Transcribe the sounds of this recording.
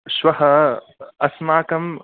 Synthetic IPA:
ʃwaha | ʔasmaʕkam

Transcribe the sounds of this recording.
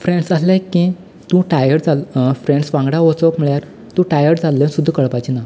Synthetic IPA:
fɾeɳɖsəslekːĩ | t̪ũʈajəɽd͡zalfɾeɳɖsʋãŋɡɽaʋot͡sokm̤əɭjaɾ | t̪ũʈajəɽd͡zalːənsud̪ʱːkəɭpajt͡ɕina

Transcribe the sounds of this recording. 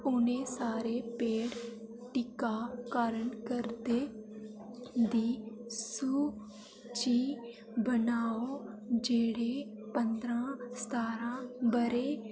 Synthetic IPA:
ʊnẽːsaːɾepeːɽ | ʈɪkaːkaːɾəɳkəɾd̪e | d̪iːsuː | t͡ʃiː | bənaːod͡ʒeːɽeːpə̃nd̪ɾãːst̪ʰaːɾãːbəɾeː

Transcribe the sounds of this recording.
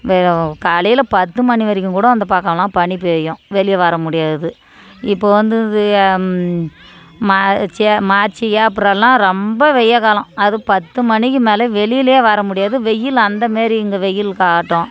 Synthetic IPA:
ʋkaːlɐjɪlɐpɐt̪ːɯmɐɳiʋɐɾɪkʲːɯ̃ŋkuːɽɐ̃ɐnd̪ɐpaːɾkɐlãːpɐɳɪpːɯɛjːʊ̃ʋɛɭɪjɐʋɐɾɐmʊɽɪjaːðɯ | ɪpːoːʋɐnd̪ɯðɯ | mat͡ʃɛmaːɾt͡ʃijaːɐp̬ːɯɽɐlːãːɾɔmbɐʋɛjɐkaːlɐ̃ɐðɯpɐt̪ːɯmɐnɪkːɯmeːlɐʋɛɭɪjɪleːʋɐɾɐmʊɽɪjaːðɯʋɛjːɪlɐnd̪ɐmeːɾiɪŋɡɐʋɛjːɪlkaːʈːõː

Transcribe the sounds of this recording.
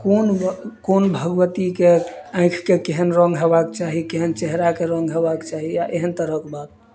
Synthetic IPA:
konkonbʱəɡʋət̪ikeãɪ̃kʰkekeɦənɾɔ̃ŋɡɦebaket͡ʃaɦikeɦənt͡ʃeɦɾakeɾɔ̃ŋɡɦebakt͡ʃaɦijaʔeɦənt̪əɾəkebat̪̚

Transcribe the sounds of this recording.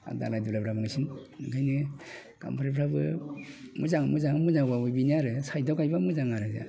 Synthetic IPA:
a̰da̰lajdulabɾamaŋsinnɯkʰajnɯ | ɡ̥a̰mpʰaɾipʰɾabɯ̰ | muzaŋmuzaŋamuzaŋwawubiniaɾɯsajdɔkajbamuzaŋaɾɯza̰

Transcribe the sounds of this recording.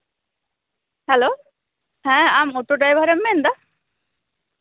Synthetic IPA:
hɛlo | hɛ̃amot̪oʈajbʱaɾemːend̪a

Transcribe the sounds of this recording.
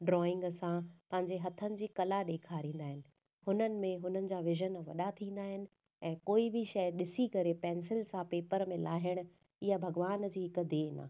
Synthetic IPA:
ɖɾɔːɪ̃ŋɡsãpɐ̃ɦɪ̃ɲd͡ʑeɦɐt̪ʰənɪ̆d͡ʑiːkɐlaɗeːkʰaːɾĩːn̆d̪aːɦɪnɪ̆ | hʊnənɪ̆mẽɦʊnənɪ̆d͡ʑaːʋɪʒənʋɐɗat̪ʰĩːn̆d̪aːɦɪnɪ̆ | ɛ̃ːkoːibʱɪʃɐjɗɪsikɐɾepɛ̃ːnsɪlsãpeːpəɾmẽlaːɦɪɽ̃ʊ̆ | ɪɦabʱɐɡʋaːnd͡ʑiːɦɪkd̪eːna̰ː

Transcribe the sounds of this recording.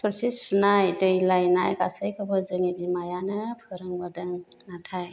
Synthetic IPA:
pʰɯɾsispʰunajdɯjlajnajɡasɯjkʰɯbɯzɯŋibimajanɯpʰɯɾɯŋbɯdɯŋ | natʰaj

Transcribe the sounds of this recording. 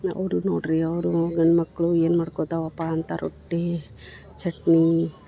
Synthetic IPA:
ɐ̰wɾunoːʈɾiɐwɾuɡɐɳmɐkːɭueːnmɐɽkot̪aʋɐpːant̪aɾʔo̰ʈːe | t͡ʃʰeʈni

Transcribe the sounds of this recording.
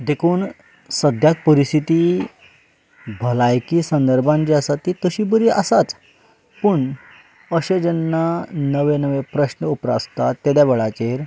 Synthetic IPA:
d̪ekʰuːn | səd̪ʱjak̚pəɾist̪ʰit̪i | bʱəlajkiːsə̃nd̪əɾbʱãɲt͡ɕiasat̪ːit̪əɕiːbəɾiʔa̰sat͡s | pəɳ | əɕed͡ʑənːanəʋenəʋepɾəɕnəupɾa̰st̪at̪ːed̪jabəɭat͡ɕeɾ

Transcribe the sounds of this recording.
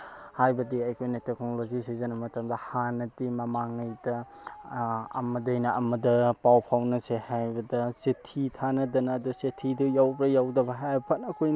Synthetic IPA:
hajbɐdiɐjkʰojnɐtek̚nolozisizɐnɐmɐtɐmdɐhanɐdimɐmaŋɐjdɐ | ɐmɐdɐjnɐɐmɐdɐpawpʰawnɐsehajbɐdɐsetʰitʰanɐdɐnɐːdusetʰidujawbɾɐjawdɐbɐɦajpʰɐt̚ɐkʰojn

